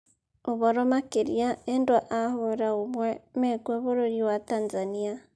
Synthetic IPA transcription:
oβɔɾɔmakeɾiaendwaʔahoɾaomwɛmɛɡwɛβoɾoɾiwatanzania

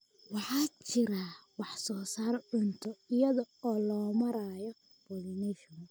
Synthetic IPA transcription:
wɑħɑːt͡ʃɪɾawɑħsɔːsaːɾɔʕʊnt̪ʰɔɪjɐðɔɔːlɔːmɐɾaːjɔ | b̥ɔlinɛʃm

